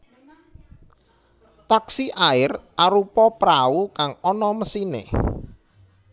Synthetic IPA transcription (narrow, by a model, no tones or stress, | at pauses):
t̪aksiʔaɪrʔaɾupɔpɾaukaŋɔnɔməsinḛ